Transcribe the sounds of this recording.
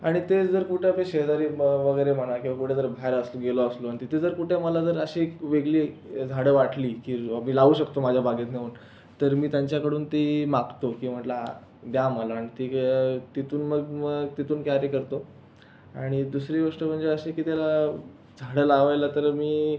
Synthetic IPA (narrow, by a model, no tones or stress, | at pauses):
aɽ̃it̪ed͡zəɾkuʈʰjapeɕeɦd̪aɾiːʋəɡəjɾem̤əɽakĩwʋakuʈʰed͡zəɾbʱaeɾəsoɡeloəsloaɽit̪it̪ʰed͡zəɾkuʈʰeməlad͡zəɾəɕeʋeɡliːd͡zʱaɽəʋaʈʰliːkiːmiːlaʋuːɕəkt̪omad͡ʑʱjabʱaɡet̪neuːn | t̪əɾmiːt̪jaɲt͡ɕjakəɽuːnt̪imaɡt̪okiːm̤əʈla | d̪jaməlaːɽ̃it̪it̪it̪uːnməɡmət̪it̪uːnkaɾjekəɾt̪o | aɽ̃id̪usɾiːʋəʂʈəm̤əɳd͡zeəɕekiːt̪jala | d͡zʱaɽəlaːʋajlat̪əɾmiː